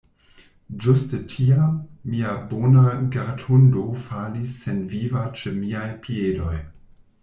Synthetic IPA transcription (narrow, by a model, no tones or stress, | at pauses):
d͡ʒustətʰiamːiabonaɡaɾtʰundo̞falisːenvivat͡ʃemiajpʰiedo̞̰j